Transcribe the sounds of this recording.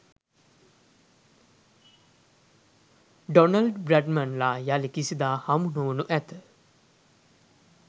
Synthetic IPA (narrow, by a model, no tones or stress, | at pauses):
ɖonalɖbɾæɖmanlaːjalikisid̪aːhamunoʋunuʔæt̪ə